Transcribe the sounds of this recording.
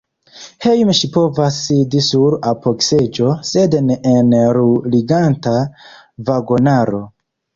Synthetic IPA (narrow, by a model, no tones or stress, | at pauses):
hejmʃipo̞vasːidisuɾapoksed͡ʒo̞sednenɾuliɡanta | vaɡo̞naɾo̞